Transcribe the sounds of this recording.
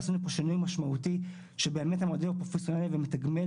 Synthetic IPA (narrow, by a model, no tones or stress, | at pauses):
sunupoʃinujmaʃmaut̪i | ʃebe̞ːmethamod̪evapʁo̞fesjo̞nalivemet̪aɡme